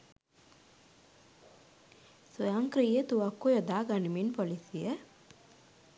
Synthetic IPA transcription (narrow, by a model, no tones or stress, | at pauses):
sojaŋkɾijət̪uʋakːujod̪aːɡaniminpolisijə